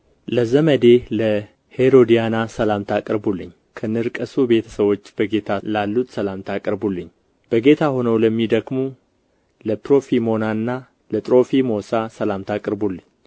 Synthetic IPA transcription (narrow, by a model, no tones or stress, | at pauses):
ləzəməd̪e̞lə | he̞ɾo̞d̪ijanasəlamt̪ʰakʼɨɾbulːɨɲː | kʰənɨɾkʼəsube̞t̪ʰəsəwo̞t͡ʃːbəɡe̞t̪ʰalalːut̪ʼsəlamt̪ʰakʼɾbulːɨɲː | b̥əɡe̞t̪ʰaho̞nəwləmːid̪əɡmu | ləpɾo̞fimo̞naɨnːa | lət̪ʼɾo̞fimo̞sasəlamt̪ʰakʼɾbulːɨɲː